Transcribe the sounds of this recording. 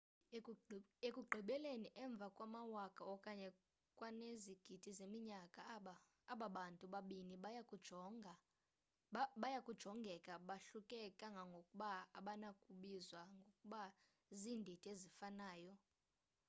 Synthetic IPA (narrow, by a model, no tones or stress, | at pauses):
ekʼuɡ͡ǃʱiɓɛleniʔɛɱb̪vʱakʼwamawakʼaɔkʼaɲɛ | kʼwaneziɡ̥ʱid̥ʱizemiɲakʼaː | ɓaɓantʼuɓaɓiniɓkʼu | ɓajakʼud̥ʒ̥ʱɔŋɡʱɛkʼaɓaɬukʼɛkʼaŋɡʱaŋɡʱokʼuɓaaɓanakʼuɓizwaŋɡʱokʼuɓa | ziːndʱitʼiezifanaːjɔ